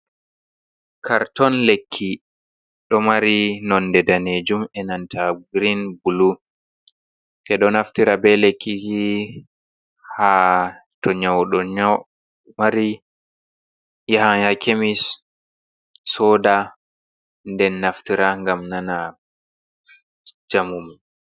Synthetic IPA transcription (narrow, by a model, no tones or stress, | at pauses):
kʰaɾtɔnlekʰːi | ɗɔmaɾinɔndɛdaneːd͡ʒumɛnantʰaɡɾinbulu | fɛɗɔnaftiɾabɛlekːihi | hatɔɲawɗɔɲ | maɾi | jahajakemis | ɔːda | ndɛnːaftiɾaŋɡamnana | d͡ʒamumi